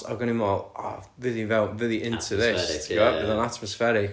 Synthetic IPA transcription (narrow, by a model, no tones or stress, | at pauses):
a̰ɡənɪmɔlˠɔ | vɪðivɛlˠvɨðiʔɪ̃ntʰuðɪstʰɡɔbɪðɔnatʰmɔsfɛɾɪk